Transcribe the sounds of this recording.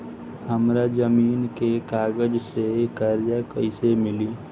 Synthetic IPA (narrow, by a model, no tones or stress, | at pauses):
həmɾad͡ʒəmiːnkekaːɡəd͡ʒsekaːɾjakəɪsemɪliː